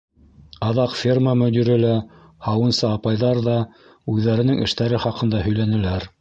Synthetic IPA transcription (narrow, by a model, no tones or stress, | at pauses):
ɑðɑqfʲirməmɵ̆d̪iɾɘlæ | hɑwɤ̆nsɤɑpɑjðɑɾðɑ | ʉðːæɾɘ̆nɘŋʔɘ̰̆ʃt̪æɾɘχɑqɤ̆nd̪ɑɦɵ̆jlænɘ̆læɾ